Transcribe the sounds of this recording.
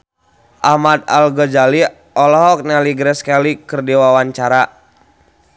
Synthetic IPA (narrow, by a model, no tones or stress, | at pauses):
ʔahmat̪a̰lɡɔd͡ʒali | ɔlɔɦɔk̚nɛliɡɾɛskalikɨrdiwawaɲt͡ʃaɾa